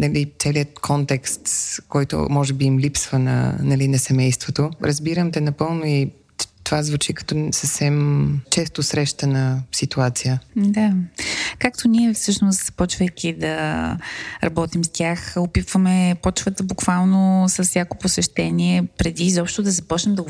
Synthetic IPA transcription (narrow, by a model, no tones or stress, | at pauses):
nɐlit̪sɛliət̪kʰɔnt̪ɛkst̪kɔjt̪o̰mɔʒɛbiːmlipsvənɐ̰nɐlinɐsɛmɛjst̪vot̪oɾəzbiɾəmt̪ɛnɐpɤlˠnoi | tt̪ovazvut͡ʃikɐ̥t̪ɔsəfsɛmt͡ʃɛst̪osɾɛʃt̪ənɐsit̪uat̪sijəd̪akakt̪oniɛfsɤʃnʊst̪z̥ɐ̥pɔt͡ʃvəjk̟ʲid̪ɐ | ɾʔɐbɔt̪imst̪ʲjaxʊpit̪vəmɛpɔt͡ʃvət̪əbʊkvalˠnosɐssʲjakoposɛʃt̪ɛniɛpɾɛd̪iːzɔpʃt̪ʊd̪ɐzɐpɔt͡ʃnɛmd̪ɐ